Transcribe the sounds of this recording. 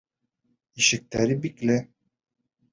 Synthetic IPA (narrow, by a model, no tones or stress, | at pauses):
iʃɛk̚t̪æɾibiklɛ